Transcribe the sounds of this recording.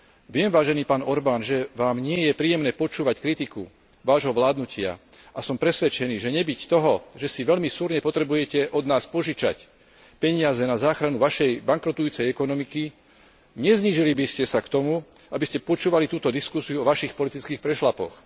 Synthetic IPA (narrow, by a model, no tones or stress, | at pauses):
ʋɪɛmʋaːʒɛniːpaːnɔɾbaːnʒɛʋaːmɲɪɛjɛpɾiːjɛmnɛːpɔt͡ʃuːʋackɾit̪ikṵ | ʋaːʒɦɔʋlaːd̪nucɪa̰ | ʔasɔmpɾɛsʋɛt͡ʃɛniːʒɛɲɛbict̪ɔɦɔʒɛsiʋɛʎmisuːɾɲɛpɔt̪ɾɛbujɛcɛʔɔd̪naːspɔʒit͡ʃa̰c | pɛɲɪazɛnazaːxɾanuʋaʃɛjbaŋkɾɔt̪ujuːt͡sɛjɛkɔnɔmiki | ɲɛzɲiʒilibiscɛsakt̪ɔmu | abiscɛpɔt͡ʃuːʋalit̪uːt̪ɔd̪iskusiuɔʋaʃixpɔlit̪it͡skiːxpɾɛʃlapɔ̰x